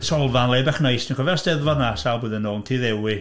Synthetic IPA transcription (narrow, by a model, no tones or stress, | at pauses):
sʰɔlˠvanlebɛχnajstʰinkʰɔvɛrsd̥ɛðvɔrnasalˠboːðənoːlˠntʰiðɛwɪ